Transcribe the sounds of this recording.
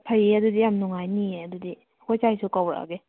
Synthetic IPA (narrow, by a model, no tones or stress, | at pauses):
pʰajeɐdudijamnuŋajnieɐdudi | ɐkʰɔjt͡ʃajsukaweʔa̰ɡe